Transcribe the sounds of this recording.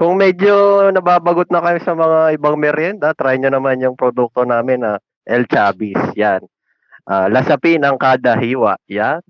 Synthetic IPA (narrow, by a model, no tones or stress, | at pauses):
kʊŋmɛd͡ʒonɐbaːbɐɡʊt̪̚nɐkɐjɪsɐmɐŋaʔɪbaŋmɛɾjɛnd̪ɐt̪ɾajɲonɐmanjʊŋpɾod̪uk̚t̪o̞naːmɪnɐ | ʔɛlt͡ʃaːbisjan | ʔaːlɐsɐpinɐŋkaːd̪ɐɦiːwɐʔjan